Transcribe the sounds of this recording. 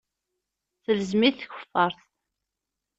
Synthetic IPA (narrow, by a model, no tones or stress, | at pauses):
θələzmiθçə̥fːɑɾˤθ